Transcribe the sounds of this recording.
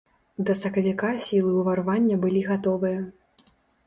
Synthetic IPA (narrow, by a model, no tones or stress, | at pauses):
d̪ɐsɐkɐvʲikasʲilˠɨuvɐɾvanʲːɐbɨlʲiɣat̪ɔvɨjɐ